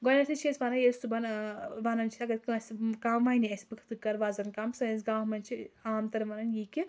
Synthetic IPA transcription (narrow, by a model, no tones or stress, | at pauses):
ɡɔnɐt̪ʰit͡ʃʰesʋanɐjest̪ubɐnʋanɐnt͡ʃʰi̥t̪ʰɐɡɐt̪kɐskaʋaniɐsʲbɨkʰt̪ɨkɐɾʋaːzɐnkamsɨis̬ɡãːɦmɐnt͡ʃʰiaːmt̪ɐɾʋɐnɐnjiːkʲi